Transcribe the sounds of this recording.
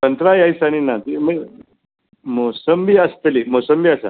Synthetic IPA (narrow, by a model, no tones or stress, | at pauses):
ənt̪ɾajajsañinat̪imə | mosəmbiːast̪limosəmbiːasa̰